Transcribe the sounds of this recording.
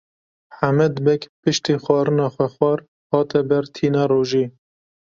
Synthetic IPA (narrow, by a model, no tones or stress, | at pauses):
ħamɛd̪bɛkpɨʃt̪iːxʷɑːɾɨnɑːxʷɛxwɑːɾ | hɑːt̪ɛbɛɾt̪ʰiːnɑːɾoːʒiː